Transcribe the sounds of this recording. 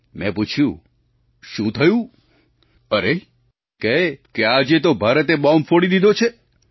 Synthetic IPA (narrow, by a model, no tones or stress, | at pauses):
mɛ̰̃put͡ʃʰjũ | ʃũt̪ʰəjũ | əɾe | kɛkead͡ʒet̪obʱaɾət̪eɓɔmfoɽid̪id̪ʱot͡ʃʰe